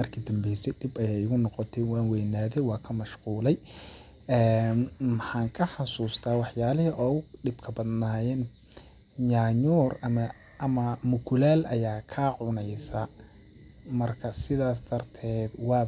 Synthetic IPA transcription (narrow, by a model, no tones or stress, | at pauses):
mɐrkʰid̪ɐmbɛjsɛɖɪbɐjɛjɪɣʊnɔqɔt̪ʰɛwɑːnwɛjnaːðɛjwɑːkʰɐmɐʃquːlɛj | ʔɛːnmħaːŋkʰɐħɑsuːst̪ʰaːwɑħjaːlɪɦɪʔɔːwɖɪbkʰɐbɐd̪naːjɛn | ɲaːɲuːrɐmɐ | ʔɐmɐmʊkʰʊlaːlʔɐjaːkʰaːʕʊnɛjsɐ | mɐrkʰɐsɪðaːs̬d̪̥ɐrt̪ʰɛːd̪wɑː